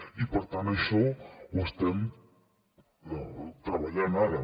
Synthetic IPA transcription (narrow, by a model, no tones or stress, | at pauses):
ipoɾt̪aneʃoust̪em | not̪ɾaβaʎanaða